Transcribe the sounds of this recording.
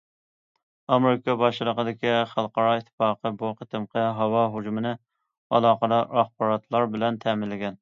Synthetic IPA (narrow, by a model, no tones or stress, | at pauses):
ɑmeɾɪkʰɑbɑʃɨlˠəqəd̪ɪkʲiχɑlˠqɑɾɑɪt̪ʰːfɑːqʰəboqʰət̪ɪmqʰəɦɑwɑɦud͡ʒumɪnɪ | ɑ̰lˠɑːqəd̪ɑɑχbɑɾɑt̪ʰlˠɑɾbɪlɛnt̪ʰɛmɪnlɪɡʲɛn